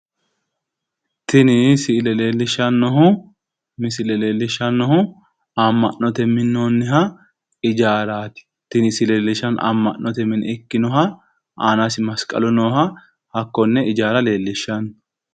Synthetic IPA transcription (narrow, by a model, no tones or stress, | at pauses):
t̪ɪnɪsɪlɛleːlːɪʃɐnːɔɦʊ | mɪsɪlɛleːlːɪʃːɐnːɔhʊ | ɐmːɐ̰ʔːɔt̪ɛmɪnːonːɪɦɐ | ɪd͡ʒaːɾaːt̪ɪ̥ | t̪ɪnɪsɪleːlːɪʃɐnʔɐ̰mːɐ̰ʔːɔt̪ɛmɪnɛkːɪnɔɦɐ | aːnasɪmɐskʼɐ̰lʊnoːhɐ | hɐkːɔnːɛɪd͡ʒaːɾɐle̞ːlːɪʃːɐn